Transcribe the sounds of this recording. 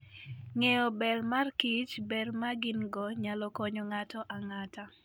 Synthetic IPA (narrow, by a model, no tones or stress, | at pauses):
ŋɛjɔbɛrmarkit͡ʃbɛrmaɡinɡɔɲalɔkɔɲɔŋatɔʔaŋata